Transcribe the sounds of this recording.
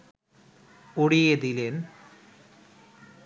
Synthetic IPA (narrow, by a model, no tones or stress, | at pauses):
oɽijeðilen